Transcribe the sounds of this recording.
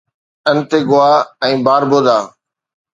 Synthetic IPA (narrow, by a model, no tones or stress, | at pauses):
ənt̪eːɡʊaːɛ̃ːbaːɾboːd̪aː